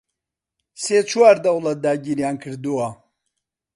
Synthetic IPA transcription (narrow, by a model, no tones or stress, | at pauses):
set͡sʰuaːɾd̪ɐwlɐt̪̚d̪aːɟiɾjaːnkʰɨɾd̪ua